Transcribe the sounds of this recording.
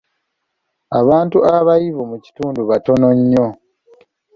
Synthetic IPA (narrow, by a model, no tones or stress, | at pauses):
aβaːntuaβajiβomuci̥tuːnduβato̞no̞ɲːo